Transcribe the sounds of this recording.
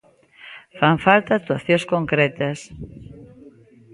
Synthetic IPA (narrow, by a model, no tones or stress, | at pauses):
faɱfalt̪aːt̪waθjoskõŋkɾɛt̪ɐs